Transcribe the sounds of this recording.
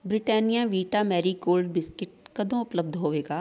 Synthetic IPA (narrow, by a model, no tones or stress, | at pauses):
bɾɪʈɛːnijãʋiːʈaːmɛːɾikoːlɖbɪskɪʈ̚kɐd̪õʊpləb̚d̪ʱɦoːʋeːɡaː